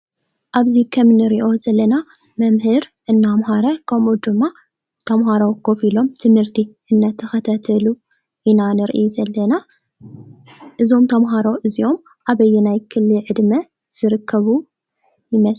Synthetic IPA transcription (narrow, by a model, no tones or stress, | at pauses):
ʔaβzikʰɐmnɨɾiʔo̞zɐlːɐna | mɐmhɨɾʔɨnːamhaɾɐkʰɐmʔud̪ɨmːa | t̪ʰɐmɦaɾɐwɡo̞filo̞mt̪ʰɨmhɨɾt̪ʰiʔɨnːat̪ʰːɐxɐt̪ʰat̪ʰɐlu | ʔinanɨɾʔɨjuzɐlːɐna | ʔɨzo̞mt̪ʰɐmɦaɾowʔɨzio̞m | ʔaβɐjːunajkʰɨlːɨʕɨd̪mɐ | z̥ɨɾɨkʰːɐβu | jɪmɐs